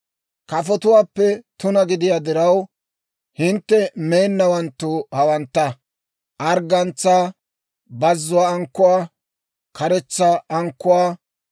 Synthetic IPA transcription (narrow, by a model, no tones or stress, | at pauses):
kɐfɔt̪ʊwaːpːɛt̪ʊnɐɡɪd̪ɪjaːd̪ɪɾɐw | hɪnt̪ːɛmeːnːɐwɐnt̪ːʊhɐwɐnt̪ːɐ | ʔɐɾɡɐnt͡sːaː | bɐzːʊwaːŋkːʊwaː | kɐɾɛt͡sːaɐŋkːʊwaː